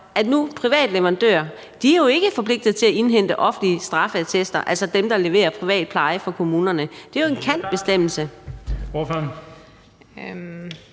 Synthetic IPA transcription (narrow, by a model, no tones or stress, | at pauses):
ʔæd̥nupʰʁiʋɛ̰ːd̥leʋɐʁɑ̈nd̥ø̰ːɐ | d̥iæɐjo̝e̝ɡ̥əfɒ̽pʰle̝ɡ̥̚d̥ð̩ˠt͡sʰe̝læʔe̝nɦen̰d̥əʔɒ̽fn̩liəsd̥ʁɑ̈fæt͡sʰesd̥ɐʔælsɒd̥emd̥ɑ̈le̝ʋe̝̰ːɐpʰʁiʋɛ̰ːd̥̚pʰlɑ̈ɪəfɒ̽kʰo̝muːnɐnəd̥e̝æjo̝e̝nkʰæn̰d̥̚b̥e̝sd̥em̰l̩səoføɐn | m